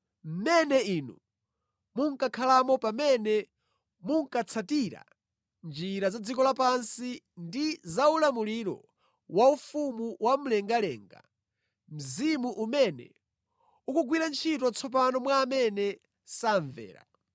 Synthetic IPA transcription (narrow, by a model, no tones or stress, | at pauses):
m̩mɛnɛinṵ | muŋ̩kakʰalamɔpamɛnɛ | muŋ̩kat͡sʰatiɾa̰ | nd͡ʒiɾazad͡zikɔlapansi | ndizaulamuliɾɔ̰ | waufumuwʔam̩lɛŋɡalɛ̰ːŋɡa̰ | m̩zimuʔumɛnɛ̰ | ukuɡwiɾant͡ʃʰit̬ɔt͡sʰɔp̬anɔmwaːmɛnɛ | saɱvɛ̰ːɾa̰